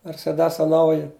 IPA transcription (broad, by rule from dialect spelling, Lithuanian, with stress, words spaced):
mʲɛrʲsʲɛˈdʲæːsɐ ˈnɐʊjɪ